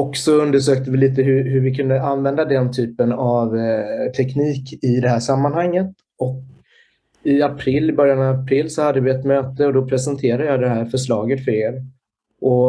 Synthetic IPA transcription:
ɔksɔɵnd̪əʂøːk̚t̪əvɪliːt̪əɦɵɦɵɾvɪkʰɵnd̪əʔanvɛnd̪ad̪ɛnt̪ʰyːpənavt̪ʰɛkniːkɪd̪ɛɦæːʂamːanhaŋːət̪ | ɔk | ɪapʰɾɪlːɪbœɾjanɑvapʰɾɪlːsɔhad̪ːəvɪɛt̪møːt̪əɔd̪ɔpʰɾɛsənt̪ʰeːɾad̪əjɑːd̪ɛɦæːɾfœʂlɑːɡət̪fœɾeːɾ | ʔɔ

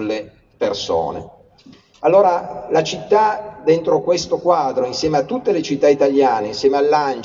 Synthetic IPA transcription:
lːe | perso̰ːnḛ | alːoːɾalat͡ʃit̪ːad̪ent̪ɾokwest̪okwaːd̪ɾoinsjɛːmeat̪ːut̪ːelet͡ʃit̪ːait̪aljaːneinsjɛːmealːan

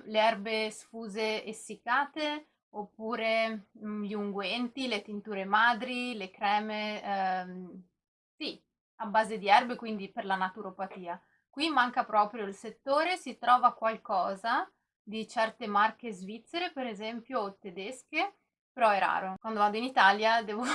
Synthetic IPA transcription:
leɛrbesfuːzeesːikaːt̪e | opːuːɾeʎiuŋɡwɛnt̪ilet̪int̪uːɾemaːd̪ɾilekɾɛːme | si | abːaːzed̪iɛrbekwind̪iperlanat̪uɾopat̪iːa | kwimaŋkapɾɔːpɾjoilset̪ːoːɾesit̪ɾɔːvakwalkɔːza | d̪it͡ʃɛrt̪emark̟ezvit̪sːeɾepeɾezɛmpjot̪ed̪ɛske | peɾɔɛɾa̰ːɾokwand̪ovaːd̪oinit̪aljad̪ɛːvo

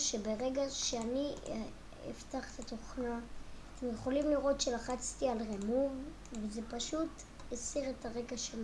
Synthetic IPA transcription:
ʃebeʁe̞ɡaʃeani | ḛftaχt̪at̪oχnaːt̪emje̞χo̞limliʁo̞tʃelaχat͡stialʁemuv | vezepaʃut | esiʁetaʁe̞ɡaʃem

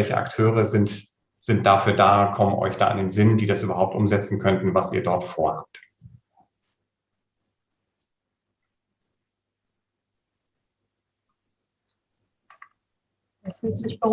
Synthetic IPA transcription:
ɛlçə̰ʔa̰ktʰøːʁəzɪnt | z̥ɪnt̚d̥afyːɐdaːkʰɔmənʔɔ̰ʏçd̥a̰ːʔɪ̰ndeːnzɪndiːdasʔyːbɐɦaʊp̚tʔʊ̰mzɛt͡sn̩kʰœntn̩vasḭːɐdɔɐtfoːɐha̰ːp̚t | ɛsfyz̥ɪçbə

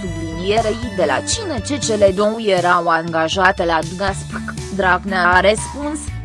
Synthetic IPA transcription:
ɡlimijeɾejd̪ela̰t͡ʃinət͡ʃet͡ʃeled̪owjeɾawaŋɡaʒat̪elad̪uɡ̪aspkd̪ɾaɡneaɾespuns

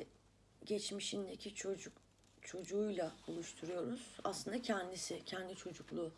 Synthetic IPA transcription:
ɟɛt͡ʃmiʃind̪ecʰiod͡ʒuk | t͡ʃʰo̞d͡ʒuːjlˠabulˠuʃt̪ʰuɾujo̞ɾuz̥a̰slˠɯnd̪acʰɛnd̪isɪcʰɛnd̪it͡ʃʰo̞d͡ʒuklˠuː

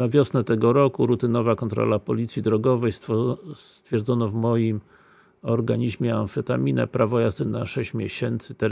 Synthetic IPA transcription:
navʲjɔsnɛt̪ɛɡɔɾɔkuɾut̪ɘnɔvakɔnt̪ɾɔ̰lapɔlʲit̪sʲjid̪ɾɔɡɔvɛjsst̪fʲjɛɾd̪zɔnɔvmɔjim | ɔɾɡaɲiʑmʲjɛanfɛt̪amʲinɛ̰pɾavɔjast̪ɛnaʂɛɕt͡ɕmʲjɛɕɛnt̪sɘ̥t̪ɛɾ

